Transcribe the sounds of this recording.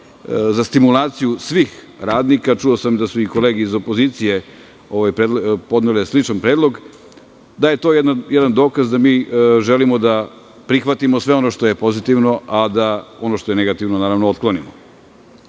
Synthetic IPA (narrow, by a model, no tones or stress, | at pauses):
zast̪imulaːt̪sijusʋiːx | ɾaːd̪nikat͡ʃuo̞samd̪asuiko̞le̞ːɡeizo̞po̞ziːt̪sije̞ | o̞ʋajpɾed̪lpo̞d̪neleslit͡ʃanpɾed̪lˠo̞ɡ | d̪aje̞t̪o̞ːjed̪najed̪and̪o̞ːkazd̪amiːʒelimo̞d̪a | pɾixʋat̪imosʋe̞ono̞ʃt̪o̞je̞po̞zit̪iʋno̞ʔad̪ao̞no̞ʃt̪o̞je̞neɡat̪iʋnonaːɾaʋnoot̪̚klˠonimo̰